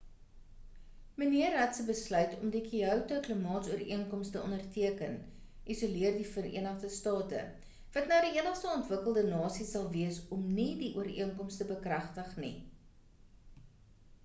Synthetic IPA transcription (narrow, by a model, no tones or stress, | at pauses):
məniərɦɐtsəbəslœɥtʰɔmdikiœwtəkləmɑːtsuəɾiənkɔmstəɔndərtʰiəkən | ʔisuliərdifərḭənəχdəstɑːtə̰ | vɐtnɑːdiiənəχstəɔntvəkəlˠdənɑːsisɐlˠviəsɔmnidiʔuəɾiənkɔmstəbəkrɐχtəχnḭ